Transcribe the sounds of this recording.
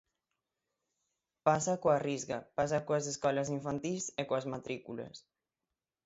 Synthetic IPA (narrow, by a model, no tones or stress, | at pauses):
pasakoarizɣɐ̰pas̬akoazeskɔlɐs̬iɱfant̪isekwazmat̪ɾikulɐ̰s